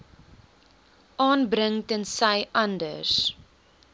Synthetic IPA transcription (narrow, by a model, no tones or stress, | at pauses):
ʔɑːnbɾəŋtənsɐjʔɐndəs